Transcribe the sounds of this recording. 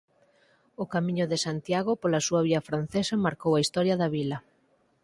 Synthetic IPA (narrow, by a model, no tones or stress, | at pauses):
ʊkamĩɲʊðɪsant̪jaɣopolɐsuɐβiɐfɾan̟θesɐmaɾkowɐist̪ɔɾjɐðɐβilɐ